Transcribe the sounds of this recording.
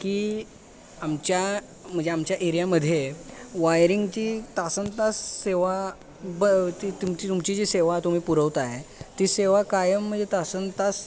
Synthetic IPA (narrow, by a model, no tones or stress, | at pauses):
kiː | amt͡ɕja | m̤əɳd͡zeamt͡ɕjaʔeɾijaməd̪ʱjeʋajɾiŋɡt͡ɕiːt̪asənt̪asːeʋa | bət̪it̪umt͡ɕit̪umt͡ɕid͡ʑiːseʋat̪um̤iːpuɾəʋt̪aet̪iːseʋakajəm̤ːəɳd͡zʱet̪asənt̪as